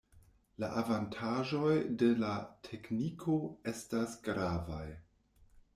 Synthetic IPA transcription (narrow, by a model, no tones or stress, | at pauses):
la̰ʔavantʰaʒo̞jde̞latʰe̞knikʰo̞e̞stasɡɾavaj